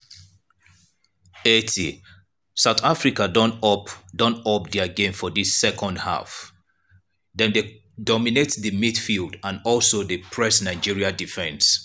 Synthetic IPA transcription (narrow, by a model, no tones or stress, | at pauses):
etʰi | saʊθafɹikadɔndɔ̃nɔp̚diaɡẽɱfɔdisːɛkʰɔ̃ndha̰f | dɛ̃nde | dɔminetðəmidfilˠdãnɔlˠsodepʰɹɛsnaɪd͡ʒiɹiadifɛ̃ns